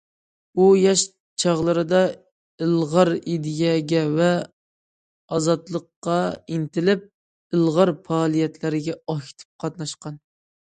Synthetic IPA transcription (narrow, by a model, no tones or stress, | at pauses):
ujɑʃ | t͡ʃʰɑʁlˠɨɾɨd̪ɑ | ɨlˠʁɑɾid̪ɪjɛɡʲɛvɛ | ɑzɑt̪lˠəqːɑint̪ɪlɪp̚ | ɨlˠʁɑɾpɑːlˠijɛt̪ʰlɪɾɪɡʲɛɑkʲʰi̥t̪ʰɪ̥p̚qʰɑt̪nɑʃqɑn